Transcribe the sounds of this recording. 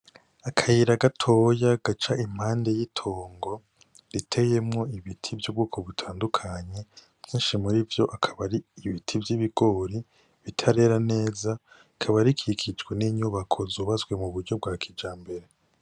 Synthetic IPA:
akʰajiɾaɡatʰo̞jaɡat͡ʃaim̥haːnde̞jitʰoːŋɡo̞ | ɾitʰe̞jemŋo̞iβitʰivjobɡuːkʰo̞βutʰaːndukʰaɲe̞̥ | jiːnʃimuɾivjo̞ʔakʰaβaɾiːβitʰivjiβiɡ̥o̞ːɾi | βitʰaɾe̞ːɾane̞ːza | kʰaβaɾikʰikʰid͡ʒɡweniːɲuβakʰo̞zuːβazɡwe̞muβuɾɟo̞b̚ɡaːkʰid͡ʒaːmbe̞ɾe̞

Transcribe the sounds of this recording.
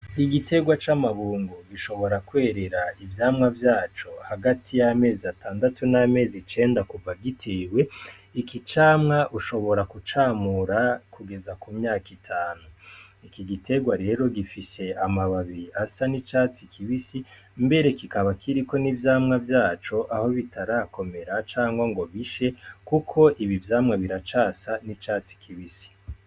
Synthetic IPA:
iɡitʰe̞ɡwat͡ʃamaβuːŋɡuɡiʃo̞βo̞ɾakwe̞ːɾe̞ɾaivjaːmŋavjaːt͡ʃo̞haɡatʰijame̞ːziatʰaːndatuname̞ːzit͡ʃe̞ːndakuvaɡitʰe̞ːwe̞ | ikit͡ʃaːmŋaʔuʃo̞βo̞ɾakut͡ʃaːmuɾakuɡe̞zakumɲaːkitʰaːnuikiɡitʰe̞ɡwaɾe̞ɾo̞ɡifise̞amaβaβiɾiʔasanit͡ʃaːt͡sikʰiβisi | mbe̞ɾe̞kikaβakʰiɾiko̞nivjaːmŋavjaːt͡ʃo̞ʔaho̞βitʰaɾaːko̞me̞ɾat͡ʃaːŋɡwaŋɡo̞βiʃe̞kukʰo̞ʔiβivjaːmŋaβiɾat͡ʃaːsanit͡ʃaːt͡si̥kʰiβisi̥

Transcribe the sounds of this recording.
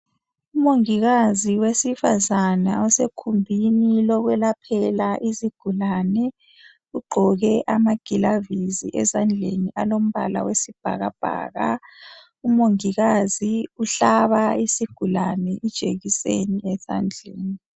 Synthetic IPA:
umoŋiɣaziwesifazanaɔsekʰumbʱinilɔɣwɛlapʰɛlaʔiziɡ̥ʱulanɛ | uɡ͡ǃʱɔɣɛʔamaɡ̥ʱilaviziʔɛzand͡ɮʱeniʔalom̩βa̰la̰wesib̥ʱa̰ɣab̥ʱa̰ːɣa̰ | umoŋiɣaziuɬaβaisiɡ̥ʱulanɛʔid̥ʒ̥ʱeɣiseniɛza̰nd͡ɮʱeːni

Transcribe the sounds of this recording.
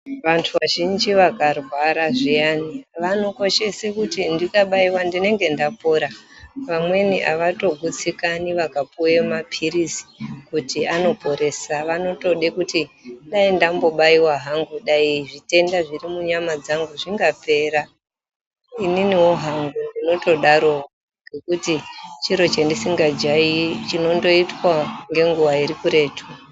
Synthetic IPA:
ʋantʰuʋaʒind͡ʒiʋakarwaɾaʐijaniʋano̞ko̞ʃe̞sekutindikaɓaiwandine̞ŋɡe̞ndapoɾaʋamwe̞nḭʔa̰ʋato̞ɡʱut͡sikaniʋakapujemapʰiɾisi̥kutiano̞po̞ɾe̞saʋano̞to̞ɗekutiɗaindambo̞ɓaiwaɦaŋɡuɗaiʐite̞ndaʐiɾimuɲamad͡zaŋɡuʐiŋɡape̞ːɾa | ininiwo̞ɦaŋɡundino̞to̞ɗaɾo̞ | ŋɡe̞kutit͡ʃiɾo̞t͡ʃendisiŋɡad͡ʒait͡ʃino̞ndo̞itwaŋɡe̞ŋɡuʋaiɾikuɾe̞ːtʰu

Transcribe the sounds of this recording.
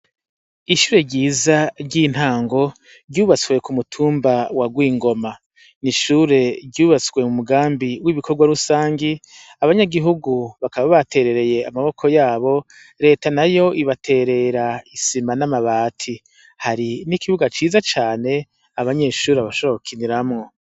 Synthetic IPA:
iʃuːɾe̞ɟiːzaɾɟiːn̥haːŋɡo̞ | ɟuːβat͡swe̞kumutʰuːmbawaɡwiːŋɡo̞ma | niʃuɾe̞ɾɟuːβat͡swe̞mumuɡaːmbiwiβikʰo̞ɡwaɾusaːŋɡi | aβaɲaɡiɦuɡuβakaβaβate̞ɾe̞ɾe̞je̞amaβo̞kʰo̞jaːβo̞ | ɾe̞ːtanajo̞ʔiβatʰe̞ɾe̞ɾaisimanamaβaːtʰi | haɾinikiβuɡat͡ʃiːzat͡ʃaːne̞ | aβaɲe̞ːʃuːɾeaβaʃookʰiniɾamŋo̞

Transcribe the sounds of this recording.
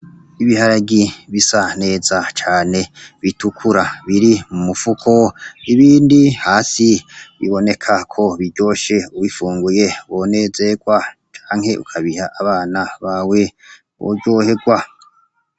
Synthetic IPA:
iβihaɾaɡiβisane̞ːzat͡ʃaːne̞βitukʰuɾaβiɾimumufukʰo̞iβiːndihaːsiβḭβo̞ne̞kʰakʰo̞βiɾɟo̞ːʃe̞uβifuːŋɡuje̞βo̞ne̞ːze̞ɡwat͡ʃḁːŋhe̞ʔukʰaβihaʔaβaːnaβawe̞ | βo̰ɟo̞ːhe̞ɡwa

